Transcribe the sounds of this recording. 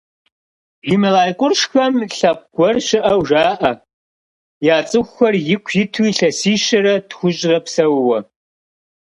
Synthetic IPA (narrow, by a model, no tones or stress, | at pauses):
ʒɪmɐlaːjkʷʼʊrʂxɐmɬɐp̚ʷɡ̥ʷɔrɕɪʔɐwʒaːʔɐ | jaːt͡sʼɨxʷxɐrjɪkʷʰjɪtʰuiːɬɐsiːʃɐɾɐtxʷʊɕʼrɐpsɐwwɐ